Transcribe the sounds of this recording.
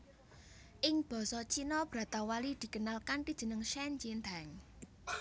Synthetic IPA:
ʔɪŋb̥ɔ̤sɔt͡ʃinɔb̥ɾä̤t̪awalid̪̥i̤kənalkant̪id̥ʒ̥ə̤nəŋʃɛnd͡ʒind̪aŋ

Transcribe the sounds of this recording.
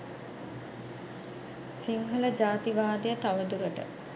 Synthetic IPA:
siŋɦələd͡ʒaːt̪iʋaːd̪ijət̪aʋəd̪uɾəʈə̰

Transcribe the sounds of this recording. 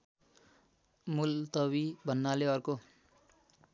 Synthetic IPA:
mult̪ʌβibʱʌnːaleʌrko

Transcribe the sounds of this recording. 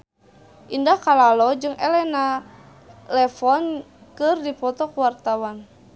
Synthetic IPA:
ʔindahkalalɔd͡ʒɨŋɛlɛna | lɛfɔnkɨrdipɔt̪ɔkuwart̪awan

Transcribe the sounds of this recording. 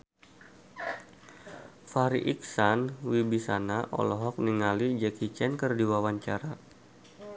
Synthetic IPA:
faɾiʔik̚sanwibisanaʔɔ̰lɔɦɔk̚niŋalid͡ʒɛkit͡ʃɛnkərdiwawaɲt͡ʃaɾa

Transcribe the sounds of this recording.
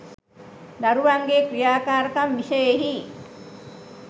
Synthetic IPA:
d̪aɾuʋaŋɡeːkɾijaːkaːɾəkamːisəeɦi

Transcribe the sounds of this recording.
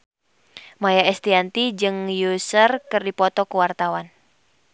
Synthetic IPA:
majaɛst̪iant̪id͡ʒɨŋjusərkɨrdipɔt̪ɔkuwart̪awan

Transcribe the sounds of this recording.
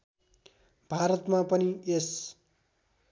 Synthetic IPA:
bʱaɾʌt̪mapʌnies

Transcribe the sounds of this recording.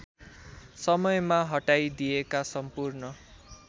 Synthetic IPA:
sʌmʌjmaɦʌʈajd̪ijekasʌmpurnʌ

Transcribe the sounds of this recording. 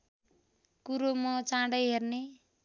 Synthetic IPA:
kuɾomʌt͡sãɽʌjɦerne

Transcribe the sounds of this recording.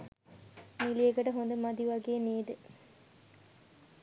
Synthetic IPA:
milieɡəʈəɦond̪əmad̪iʋaɡeːneːd̪ə

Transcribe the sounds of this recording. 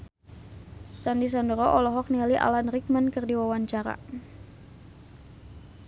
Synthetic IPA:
sandis̬andɾɔʔɔlɔɦɔk̚nialiʔa̰lanrik̚mankərdiwawaɲt͡ʃaɾa̰

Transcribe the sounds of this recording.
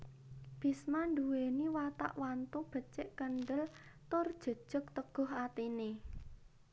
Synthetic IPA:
b̥i̤smanɖuweniwat̪a̰ʔwant̪ub̥ə̤t͡ʃɪʔkənɖəlt̪ʊrd̥ʒ̥ə̤d̥ʒ̥ʊ̤k̚t̪əɡ̥ɔ̤ɦat̪ine

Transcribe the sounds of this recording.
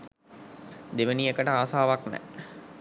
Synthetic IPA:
d̪eʋəniekəʈəaːsaːʋaknɛ̰

